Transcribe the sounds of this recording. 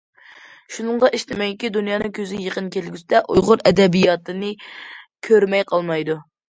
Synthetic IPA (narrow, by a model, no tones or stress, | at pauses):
ʃunɨɴʁɑʔiʃt̪ɪmɛjɪkʲid̪unjɑːnɨŋkʲʰøzɪɪjeqənkʲʰelɡʲysɪd̪ɛʔujʁʊɾɛd̪ɛbijɑt̪ɨnɨkʲʰøɾmɛjqʰɑlˠmɑjd̪u